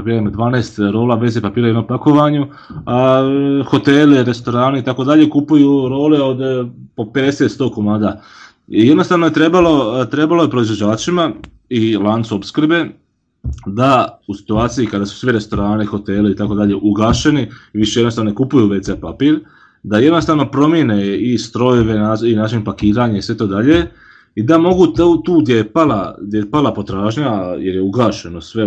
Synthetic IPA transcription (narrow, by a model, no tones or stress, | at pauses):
piamod̪ʋaːneːst̪ɾo̞ːlaːʋe̞zepapiːɾajenompako̞ʋaɲu | axo̞t̪eleɾe̞st̪o̞ɾaːneit̪akod̪aʎe̞kupujuːɾo̞ːle̞od̪poped̪eset̪st̪o̞komaːd̪a | jed̪nost̪aːʋno̞je̞t̪ɾe̞balo̞t̪ɾe̞balo̞je̞pɾoizʋod͡ʑaːt͡ʃima | ilˠansuopskr̩be̞ | d̪ausi̥t̪uaːt̪sijikad̪asu̥sʋiɾe̞st̪o̞ɾaːnexo̞t̪eliit̪ako̞d̪aʎe̞ʔuɡaːʃe̞niiʋiʃejed̪nost̪aʋnoekupujuʋe̞sepapiːɾ | d̪aje̞d̪no̞st̪aːʋno̞pɾo̞mjeneist̪ɾo̞joʋe̞naːinaːt͡ʃinpakiːɾaːɲaisʋe̞t̪o̞ːd̪aʎe̞ | id̪amo̞ɡut̪ut̪uːd̪jepalad̪jepalapo̞t̪ɾaːʒɲajeɾjeuɡaːʃe̞no̞sʋe̞